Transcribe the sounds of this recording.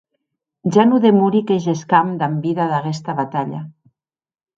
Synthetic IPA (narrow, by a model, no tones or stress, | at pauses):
ʒanuðemuɾikeʒeskamd̪ambiðaðaɣɛst̪aβat̪aʎa̰